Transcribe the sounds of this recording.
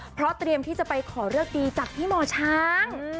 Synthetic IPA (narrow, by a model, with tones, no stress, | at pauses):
pʰɾɔ˦˥t̪ɾi˧əmt̪ʰiː˥˩t͡ɕa˨˩pa˧jkʰɔː˩˦ɾɯ˥˩ək̚diː˧t͡ɕa˨˩p̚t̪ʰiː˥˩mɔː˧t͡ɕʰaː˦˥ŋ